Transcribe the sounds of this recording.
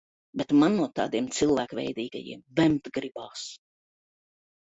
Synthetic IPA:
bʲɛt̪manːuɔt̪ɑ̰ːd̪iɛmt̪silˠvæːkvʲɛ̰jd̪iːɡa̰jḭɛmvɛmt̪ɡɾibaːs

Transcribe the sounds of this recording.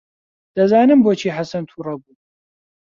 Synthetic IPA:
d̪̥ɐzaːnɨmboːt͡ʃʰiːħasɐnt̪ʰurɐbuː

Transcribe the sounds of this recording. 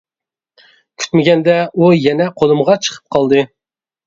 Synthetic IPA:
kʲʰy̥t̪mɪɡʲɛnd̪ɛujɛnɛqʰolˠɨmʁɑt͡ʃʰə̥qʰə̥p̚qʰɑlˠd̪ɨ

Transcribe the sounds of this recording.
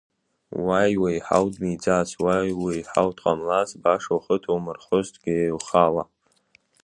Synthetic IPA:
wajwajħa̰wdʼmid͡zaswajwejħa̰wtʰʼqʼamlazbaʂoχətʰowmɨrχʷʊztʰʼɡ̥ʲaelχala

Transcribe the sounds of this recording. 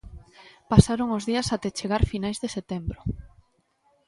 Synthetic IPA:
pasaɾoŋozðiɐsat̪ɛt͡ʃeɣ̞aɾfinajzðeset̪embɾo

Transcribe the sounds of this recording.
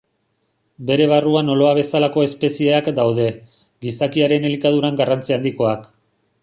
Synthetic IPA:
be̞ɾe̞β̞aruano̞lo̞aβ̞e̞salako̞e̞spe̞sieakd̪awðe̞ | ɡisakiaɾe̞ne̞likaðuɾaŋɡarant͡siald̪iko̞ak

